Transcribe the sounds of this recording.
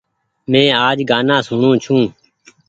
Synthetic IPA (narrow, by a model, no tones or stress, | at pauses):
mẽːaːd͡ʒɡaːnãːsʊɳõːt͡ʃʰũː